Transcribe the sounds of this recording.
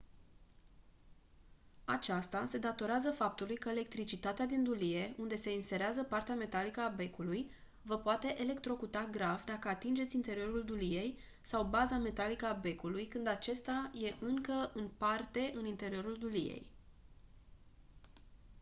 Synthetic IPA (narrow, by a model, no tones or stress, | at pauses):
at͡ʃast̪ase̞d̪at̪o̞ɾeazəfap̚t̪ulujkəele̞k̚t̪ɾit͡ʃit̪at̪ead̪ind̪ulije̞ʔund̪e̞se̞inse̞ɾeazəpart̪eame̞t̪alikəabe̞kuluj | vəpoat̪e̞ʔele̞kt̪ɾo̞kut̪aɡɾavd̪akəat̪ind͡ʒe̞t̪sʲint̪e̞ɾio̞ɾuld̪ulije̞j | sawbazame̞t̪alikəabe̞kulujkɨnd̪at͡ʃe̞st̪aje̞ʔɨŋkəɨnpart̪e̞ʔɨnint̪e̞ɾio̞ɾuld̪ulḭje̞̰j